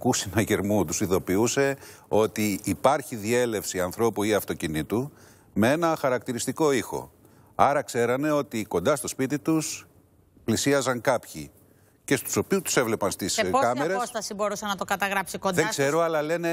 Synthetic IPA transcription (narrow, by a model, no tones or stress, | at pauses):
kusinɐʝe̞ɾmut̪usiðo̞piuse̞o̞t̪iːpɐɾçiðie̞le̞fsiɐnθɾo̞puiɐft̪o̞cinit̪u | mee̞nɐxɐɾɐk̚t̪iɾist̪iko̞ixo̞̰ | ɐɾɐkse̞ɾɐne̞o̞t̪iko̞nd̪ɐst̪o̞spit̪it̪us | plisiɐzɐŋkɐpçḭ | ce̞st̪u̥so̞piust̪u̥se̞vle̞pɐnst̪iskɐmeɾeosst̪ɐsibo̞ɾusɐnɐt̪o̞kɐt̪ɐɣɾɐpsikondðekse̞ɾo̞ɐlɐle̞ne̞